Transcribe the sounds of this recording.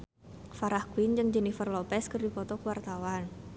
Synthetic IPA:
faɾahkuwind͡ʒɨŋd͡ʒənifərlɔpɛskərdipɔt̪ɔkuwart̪awan

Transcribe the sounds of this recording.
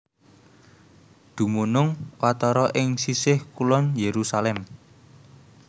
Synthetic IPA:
d̪̥ṳmunʊŋwat̪ɔɾɔʔɪŋsisɪhkulɔnjeɾusalɛm

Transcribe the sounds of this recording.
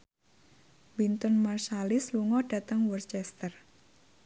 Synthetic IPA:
wint̪ɔnmarʃalɪsluŋɔɖ̥a̤t̪əŋwɔrt͡ʃɛst̪ər

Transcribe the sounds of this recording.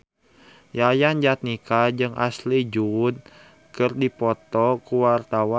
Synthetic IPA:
jajand͡ʒat̪̚nikad͡ʒɨŋʔa̰slid͡ʒud̪̚ | kɨrdipɔt̪ɔkuwart̪awa

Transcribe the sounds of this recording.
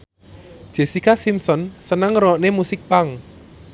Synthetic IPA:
d̥ʒ̥e̤sikasimsɔnsənəŋrɔɔʔnemusɪk̚paŋ

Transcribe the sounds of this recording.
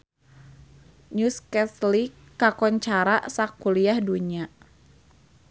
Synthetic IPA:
ɲuskɛslikː | akɔɲt͡ʃaɾaʔsakuliahduɲa

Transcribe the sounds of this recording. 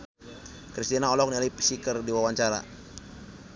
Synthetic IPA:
kɾist̪inaɔlɔk̚nialaipə̥sikərdiwawaɲt͡ʃaɾa̰

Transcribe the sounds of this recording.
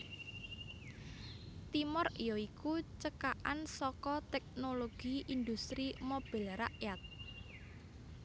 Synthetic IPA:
t̪imɔrjɔikut͡ʃəkaʔansɔkɔt̪ɛk̚noloɡ̥iʔind̪ust̪ɾimob̥ɛ̤lɾaʔjat̪̚

